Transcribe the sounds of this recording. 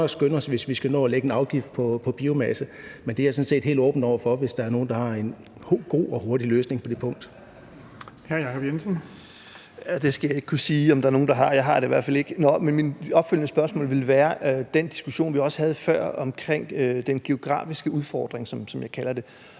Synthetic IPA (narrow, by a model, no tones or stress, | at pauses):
sɡ̥ønəɒ̽sʋe̝sʋisɡ̥ænɔ̰ːæleɡ̥enɑ̈ʊɡ̥ifd̥̚pʰɒ̽pʰɒ̽b̥iːʊmæsəmend̥e̝æɐsɔ̽nse̝̰ːd̥he̝̰ld̥ɔ̰ːb̥n̩d̥ɒʊ̰ɐfɒ̽ʋe̝sd̥ɑ̈æɐno̝ːn̩d̥ɑ̈hɑ̈e̝n | hɡ̥o̝̰ːɒ̽ho̝ɐdiløːsne̝ŋpʰɒ̽d̥e̝pʰɔ̽ŋ̰d̥ | hæɐjɑ̈kʰɒb̥jensən | æd̥e̝sɡ̥æjɑ̈e̝ɡ̥kʰusiːɒ̽md̥ɑ̈æɐno̝ːn̩d̥ɑ̈ɦɑ̈jɑ̈ɪɦɑ̈d̥eiʋæɐ̰̥fæle̝ɡ̥ənɒ̽menminɒ̽b̥fyl̰nəsb̥ɶɐsmɔ̰ːlʋe̝lʋæːɐd̥end̥i̥sɡ̥uɕo̝̰ːnʋiɒ̽sə̥hæð̞̩ˠfɶɐ̰ɒ̽mkʰʁeŋ̰d̥enɡ̥e̝o̝ɡ̥ʁɑ̰̈ːfisɡ̥əuðˠfɒ̰ːd̥ʁeŋsɒ̽msɒ̽mjɑ̈ɪkʰælɐd̥e̝